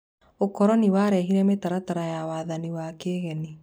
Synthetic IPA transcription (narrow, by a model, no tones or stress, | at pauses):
okɔɾɔniwaːɾɛɦiɾɛmetaɾataɾajawaːðaniwaːkeːɣɛni